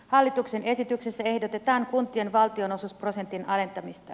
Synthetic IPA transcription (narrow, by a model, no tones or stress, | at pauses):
hɑlːit̪ukse̞ne̞sit̪yksesːæe̞hdot̪e̞t̪ɑːŋkunt̪ienʋɑlt̪io̞no̞suspro̞se̞nt̪inɑle̞nt̪ɑmist̪ɑ